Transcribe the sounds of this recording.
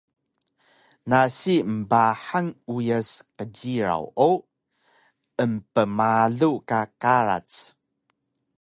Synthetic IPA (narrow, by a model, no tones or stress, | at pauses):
naɕiməbaħaŋujəsqəɟiɾa̰wo | əmpəmaɮukakaɾa̰t͡s